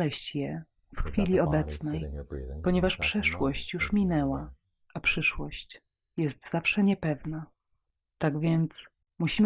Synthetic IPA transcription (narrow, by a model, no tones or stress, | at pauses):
lɛɕt͡ɕjɛ | fxfʲilʲiɔbɛt̪snɛjpɔɲɛvaʂpʂɛʂwɔɕt͡ɕjuʂmʲinɛwa | ʔapʂɘʂwɔɕt͡ɕ | jɛst̪z̥afʂɛɲɛpɛvna | t̪aɡvʲjɛnt̪s | muɕim